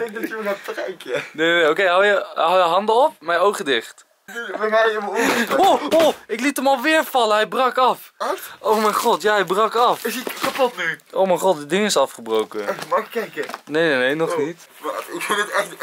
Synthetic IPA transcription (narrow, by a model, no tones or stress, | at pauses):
d̥ɛŋk̚dɑtyəɛfrɛjkənejnenejokejɦawjəɦawjəɦɑndəɔp̚mɛjowχədɪχt | bɛnɛjəmooɪklitəmɑlˠʋɪːɹfɑləɦɛjbrɑkɑf | ʔowmɛjχɔtjaːɦɛjbrɑkɑfɪsikapɔtnyʔo̰wmɛjχɔt̚dɪdɪŋɪsɑfχəbrowkəɛmɑɪkːɛjkənejnenejnɔχnitː | ɪkɪətɛχt